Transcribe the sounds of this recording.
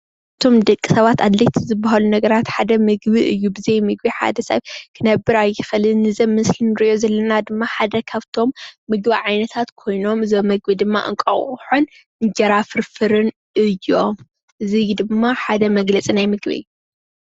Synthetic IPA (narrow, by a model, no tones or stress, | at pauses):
ʔɨt̪ʰo̞md̪ɐkʼːisɐβat̪ad̪lɐt̪ʰizɨbːaɦalunɐɡɐɾat̪ħad̪ɐmɨɡbiʔɨjːubɨzejmɨɡbiħa̰d̪ɐsɐ̰βkʰɨnɐbːɨɾajːɪxɨlɨnnːɨzɐmmɨslinɨɾɨʔo̞zɐlːɐnad̪ɨmːaħad̪ɐkʰaβt̪ʰo̞mːɨɡbiʕajnɐt̪ʰat̪kʰo̞jno̞mɨzomːɨɡbid̪ɨmːa̰ʔɨ̰ŋkʼɐ̰wħon | ʔɨɲd͡ʒɐɾafɨɾfɨɾɨn | ɨjːom | ʔɨzid̪ɨmːaħad̪ɐmɐɡlɐt͡sʼinajmɨɡβɐ̰j